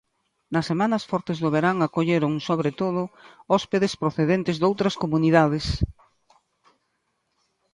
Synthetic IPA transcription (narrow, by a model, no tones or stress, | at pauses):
nɐsːemanɐsfɔɾt̪ezðoβeɾaŋakoʎeɾʊŋsoβɾet̪oð̞ʊɔspeðespɾoθeðent̪ɪzðowt̪ɾɐskomuniðaðɪs